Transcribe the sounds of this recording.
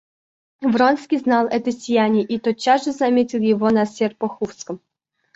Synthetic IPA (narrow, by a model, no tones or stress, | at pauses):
vronskʲiznɑlˠɛt̪əsʲɪjænʲɪjəʔit̪ot̪̚t͡ɕːasʐɨzɐmʲetʲɪlˠjɪvonɐsʲerpoxufskəm